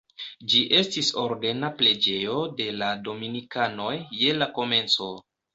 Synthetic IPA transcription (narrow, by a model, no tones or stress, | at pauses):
d͡ʒiʔe̞stiso̞ɾde̞naple̞d͡ʒe̞jo̞de̞lado̞minikano̞jːe̞lako̞me̞nt͡so̞